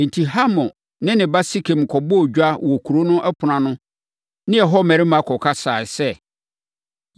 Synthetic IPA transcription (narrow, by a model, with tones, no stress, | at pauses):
n̩˨tʰi˨ɦa˦mɔ̃˨ | nɪ̃˦nɪ̃˨ba˦si˦kʰɛ˨m˨kʰɔ˨bɔ˦˨ɟᶣa˦wɔ˨kʰu˨ɾo˦nʊ̃˦ʔɛ˦pʰʊ˨nã˨nʊ̃˦ | nɪ̃˦ɛ˨ɦɔ˦˨mæ̃˨ɾɪ˦mã˨˦kʰɔ˨kʰa˦saː˨sɛ˦˨